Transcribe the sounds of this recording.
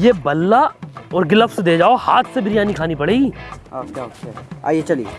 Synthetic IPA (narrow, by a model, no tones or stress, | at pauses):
jeːbɐlːaɔːɾɡɪləfsd̪eːd͡ʒaːoha̰ːt̪ʰsebʱɪɾijaːnikʰaːnipɐɽeːɡiːokːkaa̰ːijet͡ʃɐlḭe